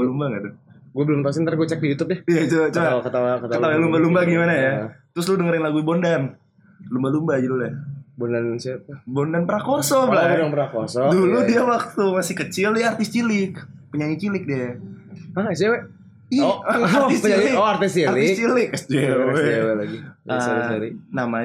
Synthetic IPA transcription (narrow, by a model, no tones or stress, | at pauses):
lumbaŋadoɡuabəlʊmt̪asɪnt̪aɾɡuat͡ʃɛk̚dijut̪ʊp̚dɛijat͡ʃoat͡ʃokət̪awakət̪əawɲalumbalumbaɡimanajat̪ɾʊsludəŋəɾɪnlaɡuibondan | lumbalumbad͡ʒadulujabondansat̪bondanpəɾakɔrsɔblabndanpəɾakɔrsɔduludiawak̚t̪umasɪhkət͡ʃɪlaart̪ɪst͡ʃilɪk̚pəɲaɲit͡ʃilɪk̚dia | asewɛ | iaɔat̪ɪspəɲlɪɔart̪ɪst͡ʃiarlɪɪskt͡ʃilɪk̚d͡ʒeɛewɛlaɡiəɾsaɾinama